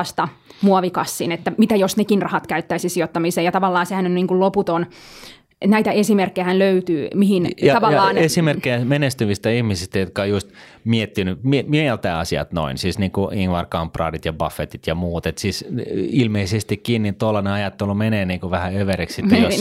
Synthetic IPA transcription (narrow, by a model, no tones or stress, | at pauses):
st̪ɑ | muɑʋikɑsːinet̪ːæmit̪æjosnekinrɑhɑt̪kæyt̪ːæisisiot̪ːɑmiseːjɑt̪ɑʋɑlːɑːsehænyniːŋkulloput̪on | enæit̪æesimerkːejæhænløyt̪yːmihinjɑɑʋɑljːɑːnesimerkːejæmenest̪yʋist̪æihmisist̪æjot̪̚kɑjust̪ | miet̪ːinymimielt̪æːɑ̰siɑ̰t̪no̰insisniːŋkuiŋʋɑrkɑmprɑ̰ːdit̪jɑbɑfːet̪it̪jɑmuːt̪et̪sisilmeisest̪ikkinːint̪olːɑneɑjɑt̪ːelumeneːniːŋkuʋæhæøʋeɾekssitt̪ːejos